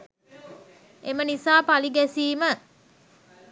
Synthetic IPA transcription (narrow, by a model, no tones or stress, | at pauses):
emənisaːpaliɡæsiːmə